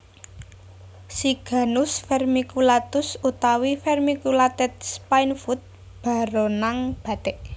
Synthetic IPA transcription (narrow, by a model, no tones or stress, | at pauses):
siɡ̥a̤nʊsfɛrmikulat̪ʊsut̪awifɛrmikulat̪ɛt̪̚spajnfut̪̚ | b̥a̤ɾonaŋb̥a̤t̪ɛk̚